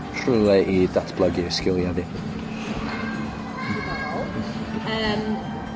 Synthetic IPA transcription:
r̥ulˠɛʔidatʰb̥lˠəɡiskɪlˠjaði | əm

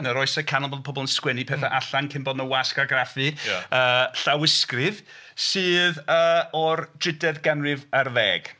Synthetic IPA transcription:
nəɾɔjsɛkʰanɔlˠblpʰɔbɔlˠənskwɛnipʰɛθaʔaɬaŋkʰɪmbɔdnəwaskaaɡrafɨəːɬawɪskrɪð | sɨːðəːɔrd̥rɪdɛðɡɛnrɪvərvɛːɡ̥

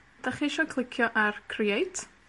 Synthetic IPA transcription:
d̥aχiʃɔkʰlˠɪkʰjɔʔarkʰriejtʰ

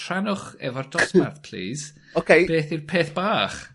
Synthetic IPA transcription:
r̥anʊχɛ̰vɔrdɔsmarθpʰl̥ḭːz̥ | okejb̥eːθirpʰeːθb̥aːχ

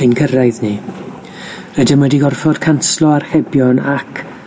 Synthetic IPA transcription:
ɪnkʰərajðni | rɛdəmwɛdiɡɔrfɔd̥kʰanslˠɔarhɛbjɔnakʰ

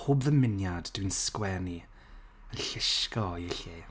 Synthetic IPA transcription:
hʊːbðəmɪnjadd̥winskwɛni | ənɬɪʃkɔɪɬi

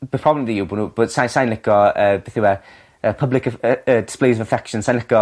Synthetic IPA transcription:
b̥əpʰɔblɛmðijubunub̥əsajnsajnlɪkɔəːbɛθɪwɛ | əːpʰəblɪkəəːdɪ̥splejzəvəfɛkʃə̃nsãjnlɪkɔ

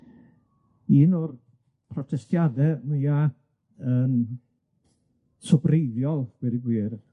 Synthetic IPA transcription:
iːnɔr | pʰrɔtʰɛstʰjadɛmɨja | ən | sɔbrejðjɔlˠw̥iɾiɡwiːr

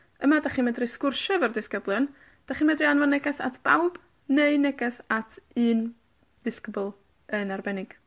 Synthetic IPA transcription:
əmadaχiːmɛdrɨskʊrʃɛvərdɪskəblˠjʊn | d̥aχiːnmɛdrianvɔnːɛɡɛsa̰tʰb̥awb̥ | neɨnɛɡɛsatʰɨːn | d̥ɪskəbʊlˠ | ənarbɛnɪɡ̥

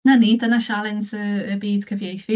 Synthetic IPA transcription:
nanidənaʃalˠɪntʰəːbiːd̥kʰəvjejfi

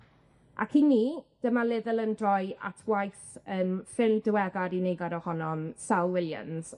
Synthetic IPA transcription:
ʔa̰kʰiniːd̥əmalˠɪðəlˠəndrɔjʔa̰tʰwajθəːmfɪlˠmdɪwɛɡaɾinejɡaɾɔhɔnɔmsawˠwɪlˠja̰nz̥

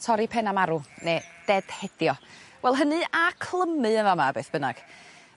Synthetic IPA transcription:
tʰɔɾipʰɛnamaɾuneːd̥ɛd̥hɛd̥jɔwɛlˠɦənɨakʰlˠəmɨənvamabeθbənaɡ̥

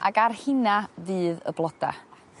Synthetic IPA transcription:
a̰ɡarhɪnavɨːðə̰blˠɔd̥a̰

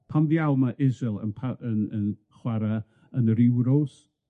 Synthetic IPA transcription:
pʰamðjawmaʔɪzɪlˠə̰npʰaənən | χwaɾa | ənəɾɪwɾos

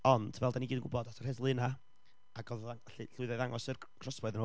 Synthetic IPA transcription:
ɔnd̥vɛlˠdaniɡiːdnɡʊbɔdatʰɔr̥hɛðlˠɨna | aɡɔðaŋvɛɬɨɬʊɨðɔjðaŋɔsər | kʰrɔsbɔɨðən

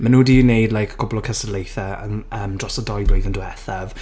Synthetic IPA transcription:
manuːdiːnejdlajkʰkʰʊbɔlˠəkʰəsədlejθəə̰nəːmdrɔsədɔjblejðəndəɛθav̥

